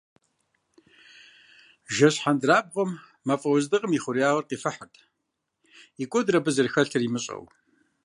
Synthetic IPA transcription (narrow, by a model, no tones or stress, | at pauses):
ʒɐɕħandraːb̚ʁɐmː | ɐfʼɐwzdɨʁʼəmiχʷʊɾijaːʁɐrqiːfɐħatʼʰ | ikʷʼɔdrɐbɨzɨrxɐɬɐrimɨɕʼɐ̰w